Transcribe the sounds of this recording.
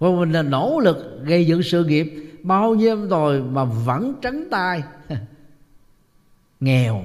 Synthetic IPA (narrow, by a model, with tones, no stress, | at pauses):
kɔ˨˩mi˨˩ŋlaː˨˩no̰˧˥lɨ˨˩k̚ɣə˧jzɨ̰˧˨˥sɨ̰˧˨ŋi˨˩əp̚ɓaː˧wɲi˧əŋ͡mzo˨˩jmaː˨˩və̰˧˥nt͡ɕə˨˦ŋt̪aː˧j | ŋɛ˨˩w